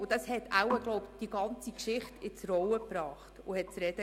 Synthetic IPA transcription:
ʊd̥ɑshɛtʰæwəɡlɔʊpd̥iɡ̥ɑnt͡sikʃɪχtɪt͡sɾɔwəpɾɑːχtʊhɛt̚t͡sɾɛd̥ə

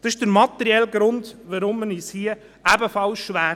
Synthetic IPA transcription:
d̥̪ɑsɪʃd̥əɾmɑt̪ːɛɾiɛlɡɾʊndʋəɾʊmːənishiə | æbəfɑlsʃʋæː

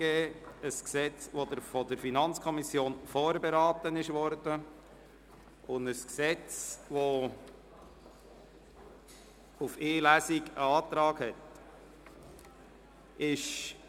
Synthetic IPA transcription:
eːəsksɛt͡sʋodəɾfɔdəɾfinɑnt͡skʰɔmisjoːnfɔːɾbeɾɑːt̪ənɪʃʋɔɾdə | ʔʊndəsksɛt͡sʋo | ufɪːlæsiɡə̰ɑːt̪ɾɑːɡhɛt̪ | ʔɪʃ

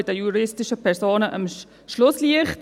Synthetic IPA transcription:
ɪdəjuɾɪstɪʃəpʰɛɾsoːnəʔə̰m | ʃlʊsliəχt

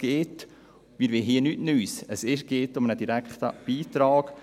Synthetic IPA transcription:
ɡ̥eːt | miːɾʋeɦiənytnyːsəsɪʃɡ̥eːtʊmənədiɾækχt̪ə̰b̥iːtɾɑːɡ̥

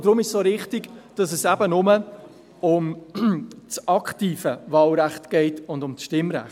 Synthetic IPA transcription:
d̥ɾʊmɪʃsoːɾɪχtɪɡd̥ɑsɛsæbənʊmə | ʊm | t͡sɑkχtiːfəvɑːlɾæχtɡ̥ɛɪtʊndʊmt͡sʃtɪmɾæ̰χ

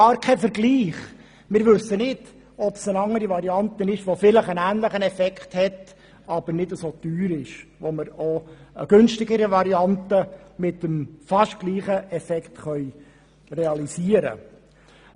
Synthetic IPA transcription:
ɑːɾkʰɛfəɾɡliːχ | mɪːɾʋɵsːənɪd̥ | ɔpsənɑŋəɾiʋɑɾiɑnt̪ənɪʃʋofɪləχənæːnləχənɛfɛkχthɛt | ɑb̥əɾnɪdəsot̪yːɾɪʃʋoməɾoə̰ɡ̥ɵnʃtɪɡəɾəʋɑɾiɑntəmɪtəmfɑʃtɡ̥liːχəʔɛfɛkχt̪χœʏ | rɛɑlisiəɾə̰

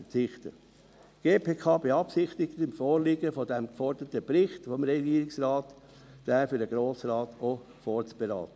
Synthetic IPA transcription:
ət͡sɪχt̪ə̰ | ɡ̥eːpʰeːkʰɑːbeɑpsɪχt̪ɪktɪmfɔːɾliːɡəfɔdɛmkfɔɾd̥ətəpɾɪχtfɔmɾɛɡiːəɾɪksrɑːt | d̥æːfyɾdəɡ̥ɾoːsrɑːto | foːɾt͡sb̥eɾɑ̰ːt̪ə

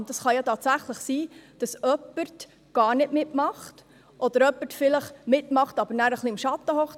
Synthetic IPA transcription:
nd̥̪ɑsχɑjɑtɑːtsæχləχsiːd̥ɑsœpːəɾt | ɡ̥ɑːɾnɪdmɪtmɑχt | ʔɔd̥̪əɾœpːətfɪləχmɪtmɑχtɑb̥əɾnæːɾəχliɪmʃɑtːəhɔχ

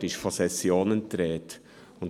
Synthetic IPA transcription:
ɾɪʃfɔsɛsjoːnənt̪ɾɛːt | ʊn

